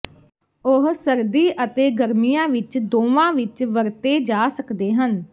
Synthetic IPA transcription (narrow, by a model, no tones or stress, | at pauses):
ʊɦsəɾd̪iːʔət̪eːɡəɾmijãːʋɪt͡ʃd̪oːʋãːʋɪt͡ʃʋəɾt̪eːd͡ʒaːsəkd̪eːɦən